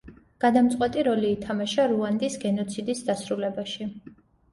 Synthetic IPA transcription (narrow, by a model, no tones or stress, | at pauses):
ɡ̥ad̪amt̪sʼqʼwɛt̪ʼiɾɔliːt̪ʰamaʃaɾuand̪isɡɛnɔt̪sʰid̪isd̪asɾulɛbaʃi